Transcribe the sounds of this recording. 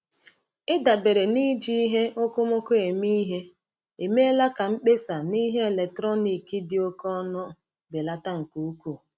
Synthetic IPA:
ɪ˦da˨be˨ɾe˨ni˦d͡ʒi˦i˦ɦe˦ʔo˦ko˦mo˦ko˦e˨mi˦ɦe˦ | e˨me˦la˦ka˨ŋ͡m̩˦k͡pe˦sa˨ni˦ɦe˦e˨le˨k̚tɾɔ˦ni˨ki˦dɪ˨o˦kɔ˦nɔ˦ | be˨la˦ta˦ŋ̩˨ku˨u˦ku˦˨

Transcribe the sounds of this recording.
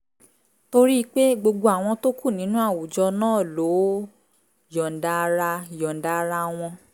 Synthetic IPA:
to˧ɾi˦˧k͡pe˦ɡ͡bo˧ɡ͡bo˧a˨w̃ɔ̃˧to˦ku˦˨nĩ˨˦nũ˦a˦˨wu˨d͡ʒɔ˧nãː˦˨lo˨˦ | jɔ̃˨n̩˨da˧ɾa˧jɔ̃˨n̩˨da˧ɾa˧w̃ɔ̃˧

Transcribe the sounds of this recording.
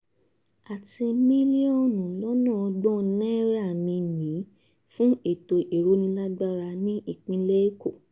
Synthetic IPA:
a˨ti˧mĩ˦li˦ɔ̃˦˨nũ˨lɔ˦nɔ̃˦˨ɔ˧ɡ͡bɔ̃˦˨˦nɛ̃˦ɾa˦˨mĩ˧nĩ˨˦ | fũ˦e˦˨to˨ʔi˨ɾo˨˦nĩ˧˦la˦ɡ͡ba˦ɾa˧nĩ˦i˦˨k͡pĩ˧le˦e˦ko˦˨

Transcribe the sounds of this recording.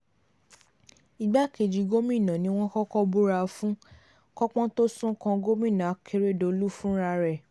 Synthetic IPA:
i˨ɡ͡ba˦˨ke˨d͡ʒi˨˧ɡo˦mĩ˦˨nã˨nĩ˧˦w̃ɔ̃˦kɔ˦kɔ˦bu˦ɾa˧fũ˦ | kɔ˦k͡pɔ̃˦to˦sũ˦kã˧ɡo˦mĩ˦˨nã˨a˨˦kʰe˧ɾe˦˨do˧˨˦lu˦fũ˦ɾa˧ɾɛ˨

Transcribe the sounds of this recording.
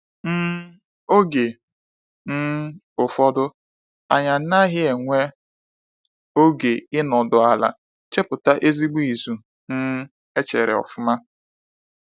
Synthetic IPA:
n̩˦ | o˦ɡe˨ | n̩˦ | ʊ˨fɔ˦dʊ˦ | a˨ɲa˨n̩˦na˦ɦɪ˦e˨ŋʷe˦ | o˦ɡe˨ɪ˦nɔ˨dʊ˨a˨la̰˨ | t͡ʃe˦pʊ˨ta˦ʔe˦zi˦ɡ͡bu˦i˨zu˨ | n̩˦ | e˦t͡ʃḛ˨ɾɪ̰˨ɔ̰˨fʊ˦ma˦

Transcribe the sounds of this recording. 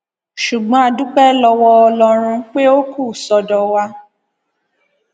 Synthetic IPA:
ʃu˨ɡ͡bɔ̃˨˦a˧du˦k͡pɛ˦lɔ˧wɔ˧ɔ˧lɔ˧ɾ̃ũ˧k͡pe˦o˦ku˦˨sɔ˧dɔ˧wa˦

